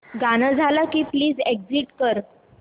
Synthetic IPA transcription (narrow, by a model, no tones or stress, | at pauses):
ɡanəd͡zʱalakiːpliːd͡zeɡd͡ziʈkəɾ